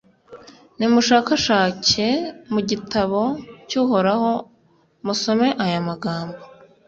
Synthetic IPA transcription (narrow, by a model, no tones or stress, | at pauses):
nimuʃaːkaʃaːcemuɟitaβo̞cuːɦo̞ɾaho̞ | muso̞me̞ʔajamaɡaːmbo